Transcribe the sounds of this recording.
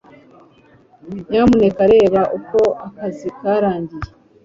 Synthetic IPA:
ɲaːmune̞kaɾe̞ːβaʔuko̞akazikaɾaːɲɟije

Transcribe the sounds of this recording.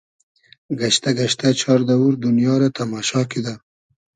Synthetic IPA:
ɡaʃt̪aɡaʃt̪at͡ʃɑɾd̪awuɾd̪ʊnjɑɾat̪amɑʃɑkid̪a

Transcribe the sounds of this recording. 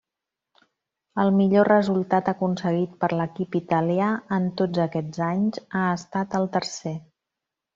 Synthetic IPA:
əlˠmiʎorəzulˠt̪at̪əkunsəɣit̪̚pəɾləkipit̪əliaənt̪od͡zəkɛd͡zaɲzaəst̪at̪əlˠt̪əɾse

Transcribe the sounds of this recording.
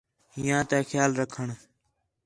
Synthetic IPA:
ɦɪjãːt̪eːxjaːlɾəkʰəɳ

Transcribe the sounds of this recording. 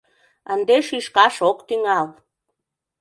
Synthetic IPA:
ənd̪eʃiʃkɑʃokt̪iŋɑl

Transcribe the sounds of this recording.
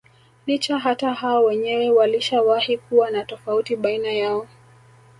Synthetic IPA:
lit͡ʃaɦatahaɔwɛɲɛwɛwaliʃawahikuwanatɔfautiɓainajaɔ

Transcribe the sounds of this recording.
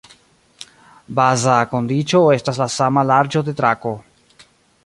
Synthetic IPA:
bazako̞ndit͡ʃo̞e̞staslasamalaɾd͡ʒo̞de̞tɾako̞

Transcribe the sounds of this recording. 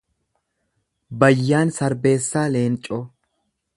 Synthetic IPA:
bɐjːaːnsɐɾbe̞ːsːaːleːnt͡ʃʼɔ

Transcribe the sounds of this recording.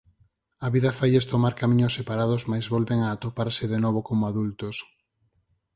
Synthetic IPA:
aβiðɐfajest̪omaɾkamĩɲosːepaɾaðozmajzβolβeŋaːt̪opaɾsɪðenɔβ̞okomoaðult̪os

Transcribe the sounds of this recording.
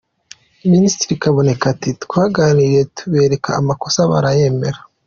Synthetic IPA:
ministiɾikaβo̞ne̞katitkwaːɡaːnije̞tʰuβe̞ːɾe̞kʰa̰amako̞saβa̰ɾaje̞meɾa

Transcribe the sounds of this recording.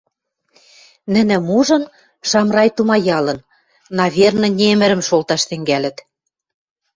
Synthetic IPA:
nɘ̆nɘ̆muʒɤ̆n | ʃɑmrɑjt̪umɑjɑlɤ̆nː | ɑβʲernɤ̆nʲemɘ̆ɾɘ̆mʃolt̪ɑʃt̪ɘ̆ŋɡælɘ̆t̪

